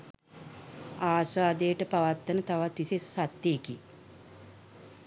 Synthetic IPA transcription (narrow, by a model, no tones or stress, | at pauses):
aːsʋaːd̪ejəʈəpaʋat̪ːənət̪aʋat̪ːisessat̪ːeːki